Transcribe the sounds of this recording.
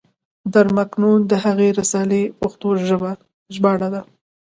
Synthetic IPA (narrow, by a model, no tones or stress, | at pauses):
d̪aɾmaknund̪əɦaɣeɾasɑlepoxt̪oʒəba | ʒbɑɽad̪a